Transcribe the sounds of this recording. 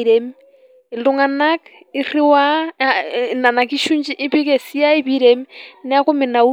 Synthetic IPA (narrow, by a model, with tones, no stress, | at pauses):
ɾɛ˨m | i˨lu˦ŋa˨na˦k | i˦ri˦wa˦ | na˨na˨ki˦ʃu˦ɲd͡ʒi˦ʔi˦pi˦kɛ˨si˦a˦i˦βi˦ɾɛmnɛ˦a˦ko˦mɪ˨na˨u˦